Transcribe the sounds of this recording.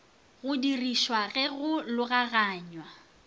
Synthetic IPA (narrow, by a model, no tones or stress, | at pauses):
ɣʊdiriʃwaɣɛɣʊlʊɣaɣaːɲwa